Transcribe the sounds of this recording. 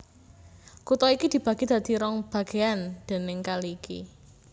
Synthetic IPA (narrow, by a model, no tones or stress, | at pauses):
kut̪ɔikid̪̥i̤b̥ä̤ɡ̥ed̪̥a̤d̪̥i̤ɾɔŋb̥ä̤ɡ̥eand̪̥e̤nɪŋkalikḭ